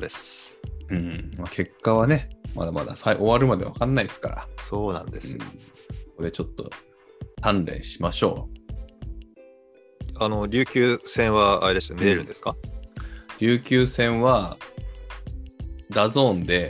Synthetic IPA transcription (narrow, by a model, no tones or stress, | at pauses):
d̪e̞sɯ̟̃ːɴmakʰe̞kːaβane̞ma̰d̪ama̰d̪a̰saiʔo̞βaɾɯ̟mad̪e̞βakãnːaisɨ̥ka̰ɾa̰so̞ːnã̰nd̪e̞sɨj̃õsoko̞d̪e̞t͡ɕo̞t̪ːo̞̰ | t̪ãnɾẽ̞̰ɰ̃ɕimaɕo̞̰ː | anoɾʲɨːkʲɨːsẽ̞ɰ̃βaa̰ɾed̪e̞sɨneeɾɯ̃nd̪e̞sɨ̥ka | ɾʲɨːkʲɨːsẽ̞ɰ̃βa | d̪azõ̞ːnd̪e̞